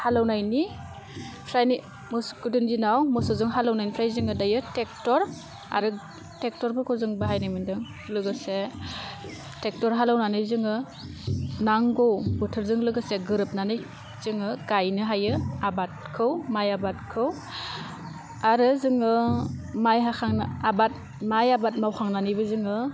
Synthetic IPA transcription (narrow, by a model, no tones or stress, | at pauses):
halawnajni | pʰɾajni | mɯskudɯnzinawmɔsɔzɯŋɦalawnajnipʰɾajzɯŋɯdajɯtek̚tɔɾ | a̰ɾɯ | tek̚tɔɾbɯkʰɔzɯŋbɯɦajnajmɯndɯŋ | lɯɡɯse | tek̚tɔɾɦalawnanɯjzɯŋɯ | naŋɡowbɔtʰɯɾzɯŋlɯɡɯseɡɯɾɯp̚nanɯj | z̥ɯŋɯɡajnɯɦajɯabat̚kʰɯwmajabat̚kʰɯw | aɾɯzɯŋɯmajɦakʰaŋnɯabat̚ | majabat̚mawkʰaŋnanɯjbɯzɯŋɯ